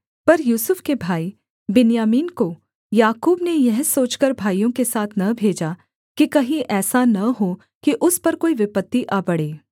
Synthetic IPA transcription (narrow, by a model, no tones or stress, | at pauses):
pɐɾjuːsʊfʰkebʱaːi | bɪnjaːmiːnko | jaːkuːbnejɛɦsoːt͡ʃkəɾbʱaːijõkesaːt̪ʰnɐbʱeːd͡ʒa | kikɐɦĩʔɛːsanɐɦo | kiʔʊspɐɾkoːiʋɪpət̪ːiʔaːbɐɽeː